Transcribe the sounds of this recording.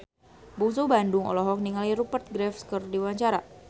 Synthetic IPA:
buŋsubandʊŋɔ̰lɔɦɔk̚niŋaliɾupərt̪̚ɡɾɛfskərdiwaɲt͡ʃaɾa

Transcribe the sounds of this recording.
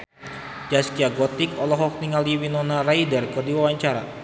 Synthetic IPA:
d͡ʒaskiaɡɔt̪ɪkɔlɔɦɔk̚niŋaldiwinɔnaraidərkɨrdiwawaɲt͡ʃaɾa̰

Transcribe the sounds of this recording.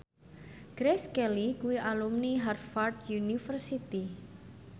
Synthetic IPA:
ɡ̥ɾeskɛlikuwiʔalumniɦarfard̪junifərsit̪i

